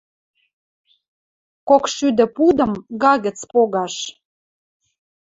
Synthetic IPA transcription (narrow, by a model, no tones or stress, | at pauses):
kokʃyd̪ə̆pud̪ə̆mɣɑɣə̆t͡spoɣɑʃ